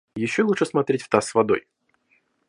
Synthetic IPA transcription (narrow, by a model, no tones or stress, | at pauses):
jɪɕːoluʂɨsmɐt̪ɾʲetʲft̪asvɐd̪o̞̰j